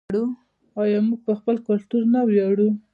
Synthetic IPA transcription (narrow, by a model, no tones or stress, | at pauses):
ɽu | ɑjɑmuɡ̚pəxpəlkʊlt̪uɾnawjɑɽu